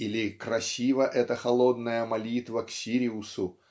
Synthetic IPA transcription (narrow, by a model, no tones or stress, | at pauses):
ilʲɪkrɐsʲivəʔɛt̪əxɐlˠo̞d̪nəjəmɐlʲit̪vəksʲiɾʲɪʊsʊ